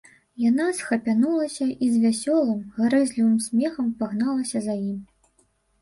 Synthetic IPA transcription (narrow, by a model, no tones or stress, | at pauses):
janasxɐpʲanulˠɐsʲɐʔizvʲasʲɔlˠɨmɣaɾɛzʲlʲivɨmsʲmʲɛxɐmpaɣnalˠɐsʲɐzajim